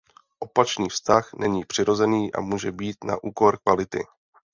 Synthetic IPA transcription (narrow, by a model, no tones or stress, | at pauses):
ʔo̞pat͡ʃniːfst̪axnɛɲiːpr̝̥ɪɾo̞zɛniːʔa̰muːʒɛbiːt̪na̰ʔuːko̞ɾkvalɪt̪ɪ̰